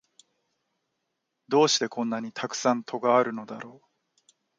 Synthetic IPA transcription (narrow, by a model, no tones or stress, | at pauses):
d̪o̞ːɕi̥t̪e̞kõ̞nːaɲ̟it̪ʰakɯ̟̥sãnt̪ʰo̞ɡaːɾɯ̟no̞d̪a̰ɾʔo̞ː